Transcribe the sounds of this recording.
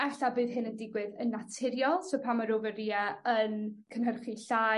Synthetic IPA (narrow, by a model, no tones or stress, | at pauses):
ɛɬabɨːðɦɨnəndɪɡwɨðənːatʰɪɾjɔlˠsopʰamaɾovəriɛənkʰənɦərχiɬa